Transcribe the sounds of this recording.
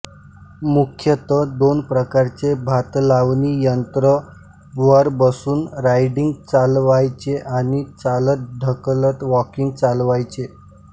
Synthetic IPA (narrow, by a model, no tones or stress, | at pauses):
mukʰjət̪əd̪onpɾəkaɾt͡sebʱat̪laʋnijənt̪ɾə | bʋəɾbəsuːnɾajɖiŋɡt͡salʋajt͡ɕeʔañit͡salət̪̚ɖ̪ʱəklət̪ʋɔkiŋɡ̚t͡salʋajt͡ɕe